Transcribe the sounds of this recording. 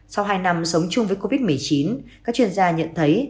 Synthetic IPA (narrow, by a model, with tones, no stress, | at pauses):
sa˧wɦaː˧jna˧msə˨˦wŋ͡mt͡ɕʊ˧ŋ͡mvəː˨˦jko˧vi˦˥t̚mɨ˨˩əjt͡ɕi˨˦nkaː˦˥k̚t͡ɕwi˧ənzaː˧ɲə̰˧˨nt̪ʰə˨˦j